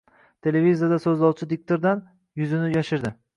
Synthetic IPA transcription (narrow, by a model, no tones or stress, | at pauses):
t̪ʰe̞levizijad̪asɵzlˠɒwt͡ʃʰɪd̪ɪk̚t̪ʰoɾd̪an | jʊzɪnɪjaʃɪɾd̪ɪ